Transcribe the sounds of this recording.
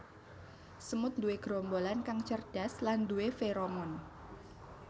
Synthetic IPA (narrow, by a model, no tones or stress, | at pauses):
səmʊt̪̚nd̪uweɡ̥ɾɔmbolankaŋt͡ʃərd̥asland̪uefeɾomɔn